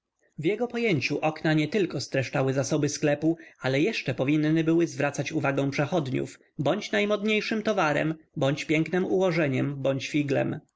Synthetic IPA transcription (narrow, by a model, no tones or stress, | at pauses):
vjɛɡɔpɔjeɲt͡ɕuʔɔknaɲɛt̪ɘlkɔst̪ɾɛʂt͡ʂawɘzasɔbɘsklɛpualɛjɛʂt͡ʂɛpɔvʲinːɘbɘwɘzvɾat̪sat͡ɕuvaɡɔ̃w̃pʂɛxɔd̪ɲṵf | bɔɲt͡ɕnajmɔd̪ɲejʂɘmt̪ɔvaɾɛ̰mbɔɲt͡ɕpʲjɛŋknɘmuwɔʐɛɲɛmbɔɲt͡ɕfʲiɡlɛ̰m